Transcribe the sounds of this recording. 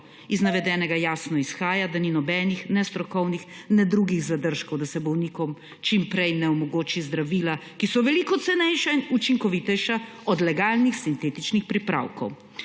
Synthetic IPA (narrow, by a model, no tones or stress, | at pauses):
iznaʋɛd̪ɛːnɛɡajaːsnɔisxaːjad̪aninɔbɛnixnɛst̪ɾɔkɔwnixnɛd̪ɾuɡiɣzad̪əɾʃkɔwd̪asɛbɔwnikɔm | t͡ʃimpɾɛjnɛɔmɔɡoːt͡ʃizd̪ɾaʋiːlakisɔʋɛlikɔt̪sɛnɛjʃainut͡ʃiŋkɔʋit̪ɛjʃa | ɔd̪lɛɡaːlnixsint̪eːt̪it͡ʃnixpɾipɾa̰ːwkɔ̰w